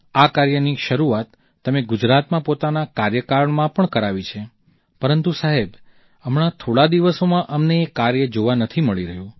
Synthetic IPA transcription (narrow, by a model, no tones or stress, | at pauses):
akaɾjəniʃəɾuat̪ː | əmeɡʊd͡ʒɾat̪mãpot̪anakaɾjəkaɾəɳmãpəɳkəɾaʋit͡ʃʰe | pəɾənt̪usaɦeb | əmɳat̪ʰoɭad̪iʋəsomãʔəmneːkaɾjəd͡ʒoʋanət̪ʰiməɭiɾəɦjũ